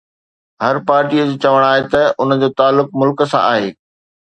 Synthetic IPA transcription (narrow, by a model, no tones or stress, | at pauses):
ɦɐɾpaːɾʈiəd͡ʑoːt͡ɕɐʋəɽ̃aːɦet̪ɐʊnəd͡ʑoːt̪aːlːʊk̚mʊlkə̆sã̰ʔa̰ːɦeː